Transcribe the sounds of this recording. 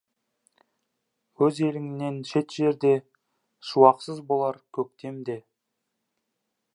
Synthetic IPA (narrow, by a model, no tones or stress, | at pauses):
wɵze̞lɪŋɪne̞nʃe̞t̪ʒ̥e̞ɾd̪e̞ | ʃuwɑqsəzbo̞lˠɑɾkʲʰɵk̚t̪e̞md̪e̞